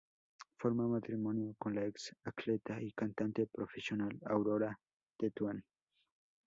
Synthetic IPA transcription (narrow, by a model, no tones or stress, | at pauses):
foɾmamat̪ɾimonjokonlaeksaklet̪aikant̪ant̪epɾofesjonalawɾoɾa | d̪̥et̪wan